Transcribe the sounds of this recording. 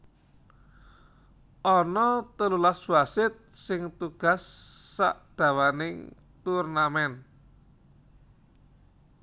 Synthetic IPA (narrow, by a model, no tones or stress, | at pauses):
ʔɔnɔt̪əlulaswasɪt̪̚sɪŋt̪uɡ̥a̤sːa̰ʔd̪̥a̤wanɪŋ | t̪urnamɛn